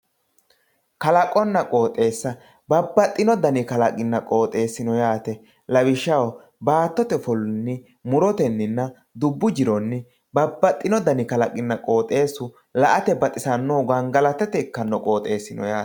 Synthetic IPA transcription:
kɐlɐkʼɔnːɐkʼo̞ːt̪ʼːe̞ːsːɐ | bɐbːɐt̪ʼːɪnɔd̪ɐnɪkɐlɐkʼɪnːɐkʼo̞ːt̪ʼe̞ːsːɪnɔjaːt̪ɛ | lɐbɪʃːɐw | baːt̪ːɔt̪ɛfɔlnːɪ | mʊɾɔt̪ɛnːɪnːɐ | d̪ʊbːʊd͡ʒɪɾɔnːɪ | bɐbːɐt̪ʼːɪnɔd̪ɐnɪkɐlɐkʼɪnːɐkʼo̞ːt̪ʼːe̞ːsʊ | lɐʔɐt̪ɛbɐt̪ʼɪsɐnːoːɡɐnɡɐlɐt̪ɛt̪ɛɪkːɐnːɔkʼo̞ːt̪ʼe̞ːsːɪnɔ̰jaːt̪

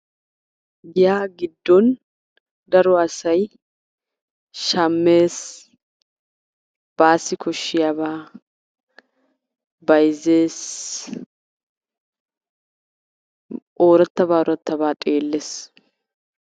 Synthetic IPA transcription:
jɪjaːɡɪd̪ːɔn | d̪ɐɾɔɐsɐj | ʃɐmːeːs | b̥aːsːɪkʰɔʃːɪjabaː | bɐjzeːs | ʔoːɾɐt̪ːɐbaːɔɾɐt̪ːɐbaːt̪ʼe̞ːlːeːs

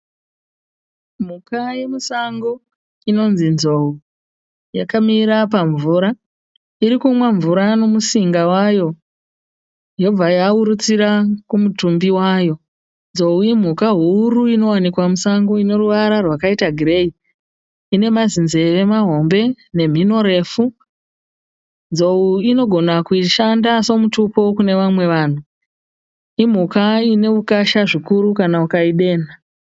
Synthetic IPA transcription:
m̤ukaje̞musaŋɡo̞ | ino̞nzinzo̞u | jakamiɾapaɱvuːɾa | iɾikumwaɱvuɾano̞musiŋɡawajo̞ | jo̞b͡vajauɾut͡siɾakumutumbiwaːjo̞ | nzo̞uim̤ukaɦuːɾuino̞wanikwamusaŋɡoine̞ruʋaɾarwakaitaɡʱire̞i | ine̞mazinze̞ʋe̞maɦo̞mbe̞ | ne̞m̤ino̞ɾe̞fu | nd͡zo̞uino̞ɡʱo̞nakuiʃandaso̞mutupo̞kune̞ʋamwe̞ʋaːn̤u | im̤ukaine̞ukaʃaʐikuɾukanaukaiɗe̞ːna

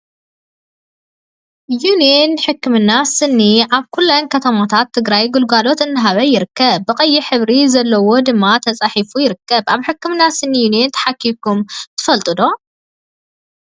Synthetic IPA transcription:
junienħɨkːɨmɨnːasɨnːiʔaβkʰulːankʰɐt̪ʰɐmat̪ʰat̪ʰːɨɡɾajɡulɡalo̞t̪ɨnːɨɦaβɐjɪɾɨkːɐbːɨkʼɐjːiħɨβɾizɐlːɐwo̞d̪ɨmːat̪ʰɐt͡sʼaħifujɪɾɨkːɐbʔaβħɨkːɨmɨnːasɨnːijunent̪ʰɐ̥ħakʰːikʰumt̪ʰɨ̥fɐlt̪ʼɨd̪o̞

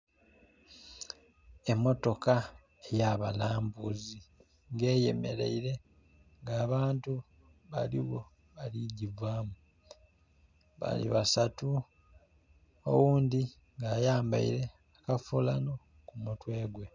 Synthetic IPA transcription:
emːo̞to̞ka | ejaβalaːmbuzi | ŋɡe̞ːje̞̰me̞ɾe̞̰iɾe̞ | ŋɡaːβaːntu | βaliɣo̞ | βaliɟivwaːmu | βa̰lḭβasatu | o̰wuːnd̪i | ŋɡaːjaːmba̰ḭɾe̞ | akafulano̞ | kumutwe̞ːɡwe̞

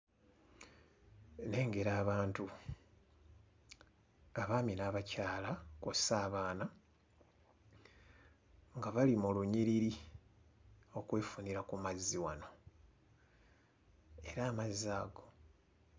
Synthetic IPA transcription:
ne̞ːŋɡe̞ɾaːβaːntu | aβaːminaβacaːlakosaːβaːna | ŋɡaβalimuluɲiɾiɾi | o̞kwe̞ːfuniɾakumazːiwano̞ | e̞ɾaːmazːaːɡo̞

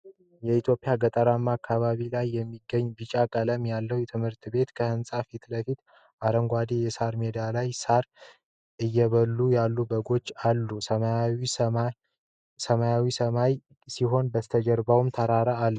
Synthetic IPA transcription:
jɛit̪ʰjo̞pʼɪjaɡət̪ʼəɾamːakʰːaβaβilajːɛmːiɡːəɲːbɨt͡ʃʼakʼələmjalːəwjɛt̪ʰɨmhɨɾt̪ʰbe̞t̪kʰəhɨnsʼafit̪ləfit̪ | ʔaɾəŋɡʷad̪ijɛsaɾmed̪alajsaɾ | ʔɨjːɛβəlːujalːubəɡo̞t͡ʃːalːusəaw | səmajawisəmaj | siɦo̞nbət̪ʰəd͡ʒəɾbawmt̪ʰəɾaɾəalːə

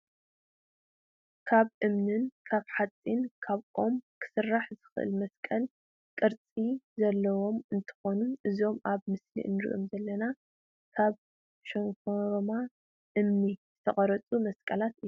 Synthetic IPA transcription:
kʰaβʔɨmnɨnkʰaβħat͡sʼːinkʰaβʔo̞mkʰɨ̥sɨrːaħzɨxɨʔɨ̰lmɐskʼɐl | kʼɨɾt͡sʼizɐlːɐwo̞mɨnt̪ʰɨ̥xonuʔɨzo̞maβmɨslḭʔɨ̰nɨɾḭʔomzɐlːɐna | kʰaβ | ʃɐŋkʰoɾma | ʔɨmnizɨt̪ʰɐχʼɐɾɐt͡sʼumɐskʼɐlat̪ʔɨjːu

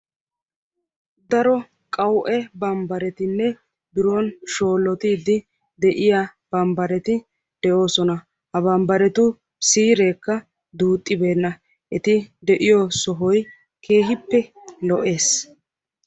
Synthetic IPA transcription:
d̪ɐɾɔ | kʼɐwʔɛbɐmbɐɾɛt̪ɪnːɛ | bɪɾoːnʃo̞ːlːɔt̪iːd̪ɪ | d̪ɛʔɪjab̥ɐmbɐɾɛt̪ɪ | d̪̥ɛʔo̞ːsɔnɐ | hɐbɐmbɐɾɛt̪ʊ | siːɾeːkːɐ | d̪uːt̪ʼːɪbe̞ːnːɐ | ʔɛt̪ɪd̪ɛʔɪjɔsɔɦɔj | kʰe̞ːɦɪpːɛlɔʔe̞ːs

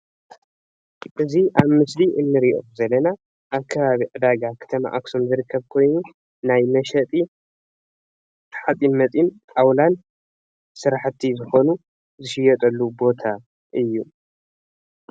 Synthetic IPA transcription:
ʔɨziʔaβmɨsliʔɨnːɨɾiʔo̞̰zɐlːɐna | ʔaβkʰːɐβaβiʕɨd̪aɡakʰɐ̥t̪ʰɐma̰ʔaksomzɨɾɨkʰːɐβkʰo̞jnu | najmɐʃɐt̪ʼi | t̪ʰħat͡s̪ʼinmɐt͡s̪ʼinʼawlan | sɨɾaħt̪ʰːizɨxo̞nu | zɨʃɪjɐt̪ʼɐlːubo̞t̪ʰa | ʔɨjːu

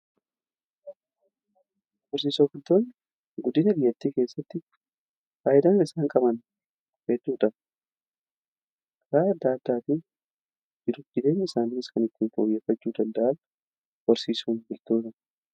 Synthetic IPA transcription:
wɔɾsiːsoːbɪlt̪oːn | ɡʊd̪ɪnɐbɪjːɐt̪ːiːke̞ːsːɐt̪ːɪ | faːjɪd̪aːnɪsaːŋkʼɐbɐn | feːt̪ːuːᶑɐ | kɾaːɐd̪ːaːd̪ːaːt̪ɪ | d͡ʒɪd̪ʊt̪ːɪd̪e̞ːɲːɪsaːnɪnɪskɐnɪt̪ːɪnfoːjeːfːɐt͡ʃːuːd̪ɐnd̪ɐʔɐn | wɔɾsiːsuːnbɪlt̪oːt̪ɐ

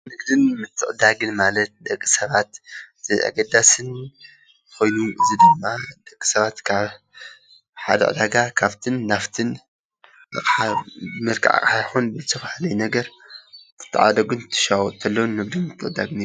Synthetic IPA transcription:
nɨɡd̪ɨnmɨt̪ʰːɨʔʼɨd̪aɡɨnmalɐt̪̚d̪ɐkʼːi̥sɐβat̪z̥ɨʔa̰ɡɐd̪asɨn | kʰo̞jnuʔɨzid̪ɨmːad̪̥ɐkʼːi̥sɐβat̪kʰaβ | ħa̰d̪ɐ̰ʔɨ̰d̪aɡakʰaβt̪ʰɨnːaft̪ʰɨn | ɨqʼħamɨɾkʰa̰ʕa̰kʼħajxunbɨt̪ʰɐfhalɐjnɐɡɐɾbʰɨ̥t̪ʰːɨ̰ʕad̪ɐɡɨnɨt̪ʰːɨ̥ʃawɔt̪ʰɐlːownːɨɡd̪ɨnmɨt̪ʰːɨʔʼɨd̪aɡn

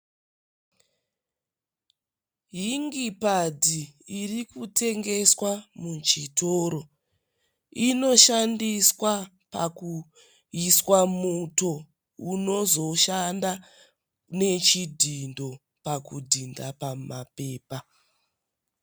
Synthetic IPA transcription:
ɦiŋɡipadiːrikute̞ŋɡe̞swamut͡ʃito̞ɾo̞ | ino̞ʃandiswa | pa̰ku | iswamuto̞ | uno̞zo̞ʃanda | ne̞t͡ʃidʱindo̞ | pakudʱindapamape̞ːpa

